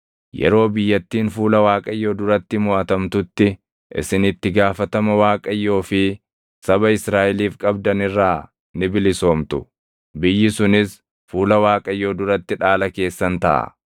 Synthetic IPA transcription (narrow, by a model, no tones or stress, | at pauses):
jɛ̰ɾo̞ːbɪjːɐt̪ːiːnfuːlɐwaːkʼɐjːo̞ːd̪ʊɾɐt̪ːɪmʊʔɐt̪ɐmt̪ʊt̪ːɪ | ʔɪ̰sɪnɪt̪ːɪɡaːfɐt̪ɐmɐwaːkʼɐjːo̞ːfɪ | sɐbɐɪsɾaːʔɛliːfkʼɐbd̪ɐnɪrːaː | nɪbɪlɪso̞ːmt̪ʊ | bɪjːɪsʊnɪs | fuːlɐwaːkʼɐjːoːd̪ʊɾɐt̪ːɪᶑaːlɐke̞ːsːɐnt̪ɐ̰ʔɐ̰